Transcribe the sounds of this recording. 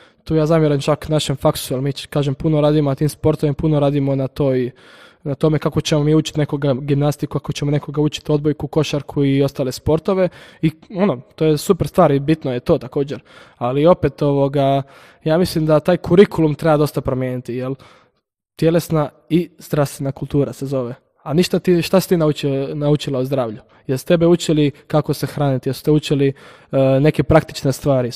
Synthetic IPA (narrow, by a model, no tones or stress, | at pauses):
t̪uːjaːzaːmjeɾomt͡ʃaknaʃemfaksujelmiːkaːʒempunoɾaːd̪imonat̪iːmspo̞ɾt̪oimapunoɾaːd̪imonat̪o̞ːj | nat̪o̞me̞kako̞t͡ɕemomiːuːt͡ʃi̥t̪ne̞koɡaɡimnast̪ikukakot͡ɕemone̞koɡauːt͡ʃi̥t̪o̞d̪̚bojkuko̞ʃaɾkʰuio̞st̪aːle̞spo̞ɾt̪o̞ʋe̞io̞not̪oːjesupeɾst̪ʋaːɾibit̪noje̞t̪o̞ːt̪ako̞ːd͡ʑeɾalio̞pet̪o̞ʋo̞ɡa | jaːmislimd̪at̪aːjkuɾikulumt̪ɾe̞bad̪o̞st̪apɾomjeːnit̪ijelˠ | t̪jelesna | izd̪ɾafst̪ʋenakulˠt̪uːɾase̞zo̞ʋe | aniʃt̪at̪iʃt̪asi̥t̪iːnaut͡ʃnaut͡ʃilauzd̪ɾaːʋʎu | jelsu̥t̪e̞beut͡ɕjelikako̞sexɾaːnit̪ijesu̥t̪ebut͡ɕjeli | ne̞kepɾakt̪i̥t͡ʃnest̪ʋaːɾi